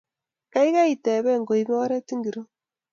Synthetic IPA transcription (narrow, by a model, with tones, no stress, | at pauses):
ka˦i˦ɣa˦ite˨βe˦˨ŋɡo˨imo˦ɾe˦ti˦ŋɡi˨ɾo˦